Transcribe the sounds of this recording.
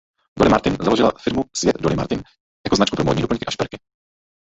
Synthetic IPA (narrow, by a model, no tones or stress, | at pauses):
dolɪmaɾt̪ɪnzalo̞ʒɪla̰fɪɾmusvjɛt̪dolɪma̰ɾt̪ɪn | jakoznat͡ʃkupɾomodɲiːdopl̩əɲŋkɪʔaʃpɛɾkɪ